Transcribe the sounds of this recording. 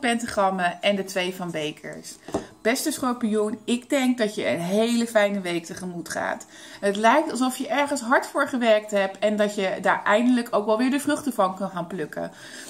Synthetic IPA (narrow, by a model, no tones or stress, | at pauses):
pɛntχrɑməʔɛndətʋejvɑnbejkʰə̰ɹsb̥ɛstəsχopijunɪɡdɛŋk̚dɑtjəə̰nɦejləfɛjnəʋejk̚təχəmutχa̰ːt | ətlɛjk̚tɑlˠsɔfjəʔɛɹχənsɦɑɹtfʊːɹχəʋɛɹk̚tɦɛp̚ɛndɑtjədaːɹʔɛjndələkowkʋɛlˠʋɪːɹdəvrɵχtəvɑnkənχaːnplɵkə̰